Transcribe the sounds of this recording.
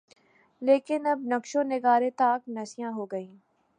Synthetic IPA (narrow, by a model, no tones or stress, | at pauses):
leːkɪnɐb̚nɐkʃõnɪɡaːɾet̪aːknɐsɪjãɦoːɡɐĩː